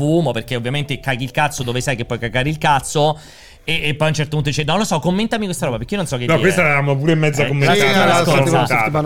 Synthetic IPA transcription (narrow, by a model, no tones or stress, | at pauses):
uːmoperk̟eovːjament̪ekak̟ilkat̪sːod̪oːvesajk̟epːɔjkakːaːɾeilkat̪so | eːpːɔjaunt͡ʃɛrt̪opunt̪od̪it͡ʃenɔlosɔkːomːent̪amikwest̪aɾɔːbapeɾkːiononsɔkːednɔk̪ːkwest̪aɛlaɾamːop̬uːɾeimːɛd̪zːakomːenaasoaa